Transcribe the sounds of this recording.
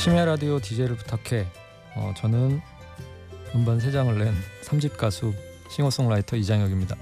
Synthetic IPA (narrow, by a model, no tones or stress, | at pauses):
ɕʰimaɾadiotid͡ʑe̞ɾɯɭputʰakʰe̞ | ʌ̰t͡ɕʌnɯn | ɯmbans̬ʰed͡ʑaŋɯɭːe̞nsʰamɕʰip̚k͈asʰu | ɕʰiŋos͈oŋɭaitʰʌid͡ʑaŋjʌɡimɲida